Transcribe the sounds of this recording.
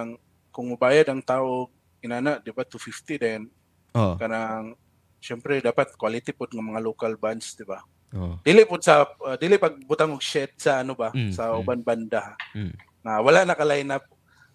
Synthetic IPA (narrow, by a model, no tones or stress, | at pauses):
ŋ | kʊŋmʊbaːjad̪aŋt̪aːʔoɡ̚ | ɪnaːnaʔd̪ɪbat̪ʊfɪft̪ɪd̪ɛn | okɐnaŋ | ʃɛmpɾɛd̪aːpat̪̚kwalɪt̪ɪpʊd̪̚ŋamɐŋaloːkalbansd̪ɪba | od̪iːlɪʔpʊd̪̚sad̪iːlɪʔpaɡ̚bʊt̪aŋʊɡʃɛt̪̚saʔːnobasaʔʊbanband̪a | ŋawalaʔnɐkalajnap̚